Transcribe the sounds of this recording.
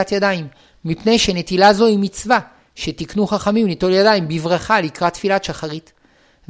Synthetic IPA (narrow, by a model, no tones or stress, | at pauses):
at̪jadaimː | ipne̞jʃene̞t̪ilazo̞imit͡sva | ʃe̞t̪iknuχaχamimlito̞ljadaimbivʁaχalikʁatːfilaʃaχaʁit̪